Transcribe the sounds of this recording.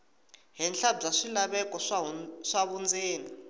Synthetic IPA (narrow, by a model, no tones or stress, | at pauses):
ɦɛnɬabb͡ʐaʂilaɓɛkʼɔʂaβund͡zeːni